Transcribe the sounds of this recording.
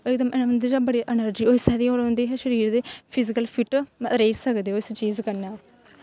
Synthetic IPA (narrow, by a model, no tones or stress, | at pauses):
oːɪkd̪əmɛnːənd̪əd͡ʒaːbəɽiːʔɛnəɾd͡ʒiːoːɪsɛːd̪iːoːɾõnd̪iːɦɛːʃəɾiːɾd̪eːpʰɪzɪkəlpʰɪʈɾeːsəkd̪eːoːɪst͡ʃiːzkəɾnaː